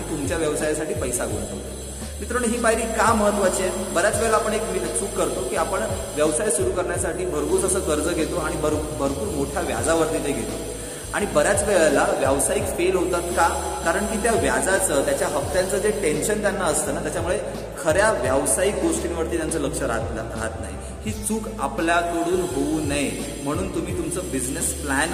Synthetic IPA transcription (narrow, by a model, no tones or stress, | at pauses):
it̪umt͡ɕjaʋjəʋsajasaʈiːpəjsaɡo̰ɳt̪ɦot̪e | mit̪ɾəɳɦiːbaɦiɾiːkaməɦət̪ːʋat͡ɕiebəɾjat͡sʋɛɭlaːpəɳekmieksuːkkəɾt̪okiːapəɳʋjəʋsajsuɾuːkəɾɳjasaʈiːbʱəɾbuːt͡səsəːkəɾd͡zəɡʱet̪oaɽ̃ibʱəɾbʱəɾpuːɾmoʈʰjaʋja̰d͡zaʋəɾt̪it̪eɡʱet̪o | a̰ɽ̃ibəɾjat͡sʋeɭalaʋjəʋsaikfelɦot̪at̪kakaɾəɳkiːt̪jaʋjad͡zat͡səːt̪jat͡ɕjaɦəkt̪jant͡səːd͡zeʈenɕənt̪janːaəst̪əːnat̪jat͡ɕamuɭe | kʰəɾjaʋjəʋsaik̚ɡoʂʈinʋəɾt̪iːt̪jant͡səːləkʂəɾat̪lɾaɦat̪na̰ɦḭ | hiːt͡suːkapljakəɽuːnɦounaɦj | m̤əɽ̃uːnt̪um̤iːt̪umt͡səbid͡znəsplæn